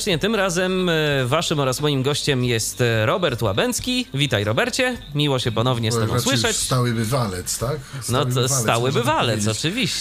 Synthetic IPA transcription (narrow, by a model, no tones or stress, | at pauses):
t͡ʂɲɛt̪ɘmɾazɛmvaʂɘmɔɾasmɔjimɡɔɕt͡ɕɛmjɛst̪ɾɔbɛɾt̪wabɛnt̪skʲivʲit̪ajɾɔbɛɾt͡ɕɛmʲiwɔɕɛpɔnɔvɲɛst̪ɛɡɔ̰̃swɘʂɛt͡ɕst̪awɘbɘvalɛt̪st̪aknɔɔst̪awɘbɘvalɛt̪sɔt͡ʂɘvʲiɕ